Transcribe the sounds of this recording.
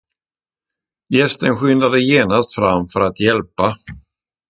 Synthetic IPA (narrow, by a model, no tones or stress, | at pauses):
jɛst̪ənɧʏnd̪ad̪əjeːnast̪fɾamːfœɾat̪jɛlpa